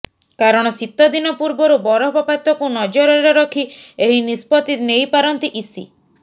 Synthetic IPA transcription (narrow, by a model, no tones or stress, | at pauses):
kaɾɔɽ̃ɔsit̪ːɔd̪inɔpuɾbɔɾubɔɾɔɦbɔpat̪ɔkunɔd͡ʒɔɾɔɾeɾɔkʰieɦinispɔt̪inejpaɾɔnt̪iʔisḭ